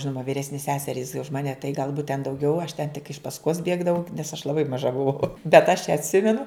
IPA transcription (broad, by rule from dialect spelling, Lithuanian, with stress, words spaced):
ˈʒʲɪnoːmɐ ʋʲiːˈrʲæːsʲnʲeːs ˈsʲæːsʲɛrʲiːs ʊʃ ˈmɑːnʲɛ tɐɪ ɡɐlˠˈbuːt tʲɛn dɐʊˈɡʲɛʊ ɐʃ tʲɛn tʲɪk ɪʃ pɐsˈkoːs ˈbʲeːɡdɐʋɐʊ nʲɛs ɐʃ lˠɐˈbɐɪ mɐˈʒɐ bʊˈʋɐʊ bʲɛt ɐʃ ɐtʲˈsʲɪmʲɛnʊ